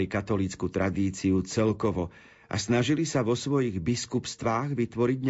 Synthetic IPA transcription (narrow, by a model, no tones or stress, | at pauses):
ikat̪ɔlit͡skut̪ɾʔad̪iːt͡siut͡sɛlkɔʋɔ | ʔa̰snaʒilisaʋɔsʋɔjiɣbiskupst̪ʋaːɣʋit̪ʋɔɾiɟɲ